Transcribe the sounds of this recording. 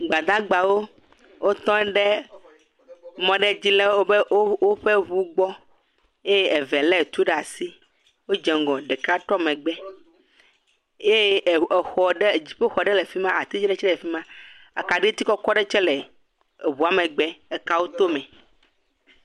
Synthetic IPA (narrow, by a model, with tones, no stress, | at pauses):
ɡ͡ba˨d̪ã˦ɡ͡ba˨wo˦ | wo˦t̪ɔ̃˦ɖe˦ | mɔ̃˨ɖe˦d͡ʑi˦le˦o˦be˦o˦wo˦ɸe˦βu˦ɡ͡bɔ˦ | e˦je˦ɛ˨vɛ˨lɛ˦˨t̪u˦ɖa˨si˦ | wo˦d͡ʒɛ˨ŋ˨ɡɔ̃˨ɖɛ˨ka˦tɾɔ˦mɛ̃˨ɡ͡bɛ˦ | je˦˨xɔ˨ɖe˦˨d͡ʑi˨ɸe˦xɔ˨ɖɛ˦le˨fi˦mã˦a˨t̪i˦d͡ʑi˦ɖɛ˦t͡ʃɛ˦lɛ˨fi˦mã˦ | a̰˨ka˨ɖi˦t̪i˦kɔ˦kɔ˦ɖɛ˦t͡ʃɛ˦lɛ˨ | βu˨a˨mẽ˨ɡ͡bɛ˦ɛ˨ka˨wo˦t̪o˦mɛ̃˨